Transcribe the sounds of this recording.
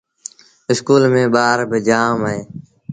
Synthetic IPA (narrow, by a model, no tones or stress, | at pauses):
ɪskuːlmẽːɓaːɾbɪd͡ʒaːmẽː